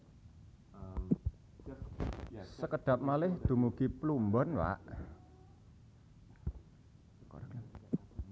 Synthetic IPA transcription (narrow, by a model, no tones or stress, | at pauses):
səkəɖ̥ä̤p̚malɪhd̪̥ṳmuɡ̥i̤plumbɔnwa̰ʔ | k